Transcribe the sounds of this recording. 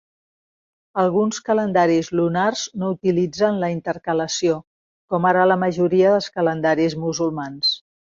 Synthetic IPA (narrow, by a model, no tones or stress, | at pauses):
əlˠɣunskələnd̪aɾizlunarznout̪ilid͡zənləint̪əɾkələsio | kɔmaɾələməʒuɾiəðəlˠskələnd̪aɾizmuzulˠmans